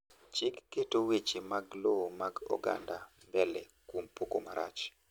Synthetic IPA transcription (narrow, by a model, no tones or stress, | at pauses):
t͡ʃɪkːetowet͡ʃemaɡloomaɡɔ̰ɡa̰ndambɛlɛ | kwompokomaɾa̰t͡ʃ